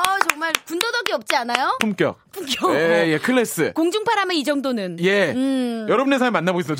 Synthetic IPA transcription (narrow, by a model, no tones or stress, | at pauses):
ʌt͡ɕʌŋmaɭkundodʌɡiʌp̚t͡ɕ͈ianajopʰumk͈jʌ̰pʰumk͈jʌeje̞kʰɯɭːes͈ɯkoŋd͡ʑuŋpʰaɾameid͡ʑʌŋdonɯnje̞jʌɾʌbɯne̞sʰaɭmːanːabois